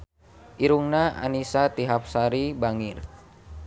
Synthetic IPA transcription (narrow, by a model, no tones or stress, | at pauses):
ʔiɾuŋnaa̰nisat̪iɦap̚saɾibaŋir